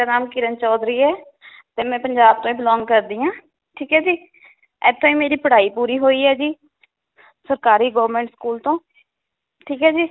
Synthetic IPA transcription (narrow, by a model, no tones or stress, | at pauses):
aːnaːmkɪɾənt͡ʃɔːd̪ɾiːɛː | t̪eːmɛ̃ːpəɲd͡ʒaːb̚t̪õːĩːbɪlɔ̃ːŋɡkəɾd̪iːãː | ʈʰiːkɦɛːd͡ʒiː | ɛːt̪ʰːõːĩːmeːɾiːpəɽ̤aːiːpuːɾiːɦoːiːɛːd͡ʒiː | səɾkaːɾiːɡoːʋəɾmẽːɳʈskuːlt̪õː | ʈʰiːkɦɛːd͡ʒiː